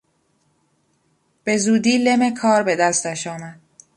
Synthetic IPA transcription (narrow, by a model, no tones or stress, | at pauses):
b̥e̞zuːd̪iːle̞me̞kʰɒːɾbe̞d̪æst̪æʃɒːmæd̪̥̚